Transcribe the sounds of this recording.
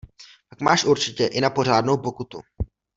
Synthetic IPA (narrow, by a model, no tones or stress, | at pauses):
pakmaːʃʔuɾt͡ʃɪcɛʔɪnapo̞r̝aːdno̞wpo̞kut̪ṵ